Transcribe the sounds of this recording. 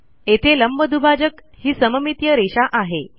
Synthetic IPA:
et̪ʰeləmbʱəd̪ʱubʱad͡ʑəkhiːsəməmit̪jəɾeɕaʔaɦe

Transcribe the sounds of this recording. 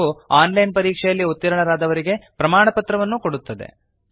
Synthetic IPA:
uaːnlɐjnpɐɾiːkʂɛjɐlːiut̪ːɐɾɐɳɐɾaːd̪ɐʋɐɾiɡe̞pɾɐmaːɳɐpɐt̪ɾɐʋɐnːuko̞ɽut̪ːɐd̪e̞̰

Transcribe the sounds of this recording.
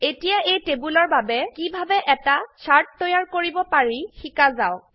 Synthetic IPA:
etijaʔejtebulɔɹbabɛkibʱabɛʔɛtasaɹtːɔjaɹkoɹibɔpaɹixikazaw

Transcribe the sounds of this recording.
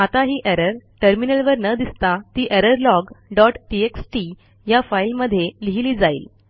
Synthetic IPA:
at̪aɦiːʔɛɾəɾʈəɾminəlʋəɾnəd̪ist̪at̪iːʔɛɾəɾlɔɡɖɔʈʈieksʈi | jafailməd̪ʱːjeliɦiliːd͡zaḭːl

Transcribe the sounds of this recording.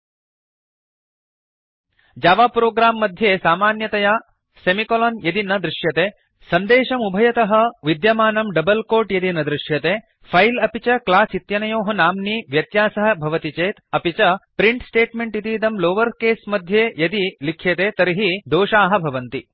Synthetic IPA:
d͡ʒaːʋaːpɾoːɡɾaːmːɐd̪ʱjeːsaːmaːnjɐt̪ɐjaː | semikoloːnjɐd̪inɐd̪ɾuʃjɐt̪eː | sɐnd̪eːʃɐmubʱɐjɐt̪ɐɦɐ̆ʋid̪jɐmaːnɐmɖɐbɐlkoːʈjɐd̪inɐd̪ɾiʃjɐt̪eː | pʰɐjlɐpit͡ʃɐklaːsit̪jɐnɐjoːɦɐnaːmniʋjɐt̪jaːsɐɦɐbʱɐʋɐt̪it͡ʃeːt̪ɐpit͡ʃɐpɾiɳʈsʈeːʈmeɳʈit̪iːt̪ɐmloːʋɐɾkeːsmɐd̪ʱjeːjɐd̪ilikʰjet̪eːt̪ɐɾiɦid̪oːʃaːɦɐ̆bʱɐʋɐnt̪i

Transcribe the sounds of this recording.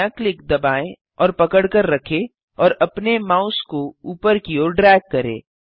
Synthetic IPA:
aklɪkd̪ɐbaːẽ | ɔːɾpɐkəɽkəɾːɐkʰe | ɔːɾɐpnemaːʊskouːpəɾkioːɾɖɾɛːkːɐɾḛː

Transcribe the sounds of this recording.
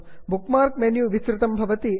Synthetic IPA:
bukmaːɾkmenjuʋisɾɪt̪ɐmbʱɐʋɐt̪i

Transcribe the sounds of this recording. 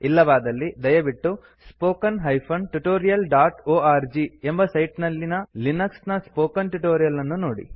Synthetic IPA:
ilːɐʋaːd̪ɐlːid̪ɐjɐbiʈːu | spoːkɐnɦɐjpʰɐnʈuʈoːɾijɐlɖaːʈoːaːɾd͡ʒiembɐsɐjʈnɐlːinɐlinɐksnɐspoːkɐnʈuʈoːɾijɐlːɐnːunoːɽḭ

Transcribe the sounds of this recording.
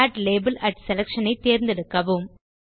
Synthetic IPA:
aːʈleːbɐlɐʈsɛlɐkʂɐnɐɪt̪ːeːɾnd̪ɛɽɯkːɐʋɯm

